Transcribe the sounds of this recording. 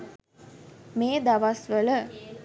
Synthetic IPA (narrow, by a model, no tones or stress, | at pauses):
meːd̪aʋasʋələ